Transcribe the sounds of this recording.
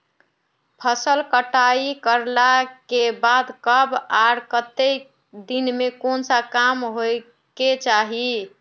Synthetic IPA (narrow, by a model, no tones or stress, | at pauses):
pʰəsəlkəʈaikəɾlakebad̪kəbaɾkət̪ek | d̪inmekonsakamɦoj | ket͡ʃaɦi